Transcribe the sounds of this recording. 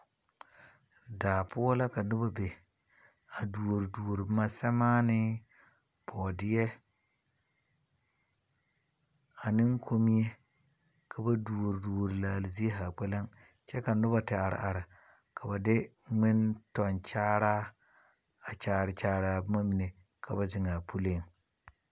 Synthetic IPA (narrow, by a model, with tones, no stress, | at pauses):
daː˨pʰʊ˦ɔ˦la˦ka˨nʊ˦ba˦be˨ | a˨du˨o˨ɾi˨du˨o˨ɾi˨˦ma˦sɛ˦maː˦nɪ˦ | pʰɔː˨dɪ˦ɛ˦ | a˨nɪ˦ŋ˦kʰo˦mi˦je˦ | kʰa˨ba˦du˨o˨ɾi˨du˨o˨ɾi˨laː˨lɪ˨zi˦e˦ɦa˨k͡pɛ˦la˦ŋ | t͡ʃɛ˦ka˨nʊ˦ba˨tɪ˨a˨ɾɪ̰˨ʔa˨ɾa˨ | kʰa˨ba˨dɪ˦ŋɪ˦ntɔ˨nt͡ʃaː˦ɾaː˦ | a˨t͡ʃaː˨ɾɪ˨t͡ʃaː˨ɾa˨bma˦mi˨ne˨ | kʰa˨ba˨zɪ˨ŋa˨pʰu˦le˦˨ŋ